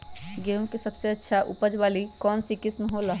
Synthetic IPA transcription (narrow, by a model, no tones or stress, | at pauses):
ɡẽːkisɐbseɐtːʃʰaʔṵpəd͡ʒbaːlikɔːnsikɪsmeɦolaɦ